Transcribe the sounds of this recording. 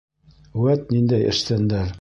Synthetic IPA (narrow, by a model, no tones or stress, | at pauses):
wæt̪nind̪æjʔɘ̰̆ʃt̪ænd̪æɾ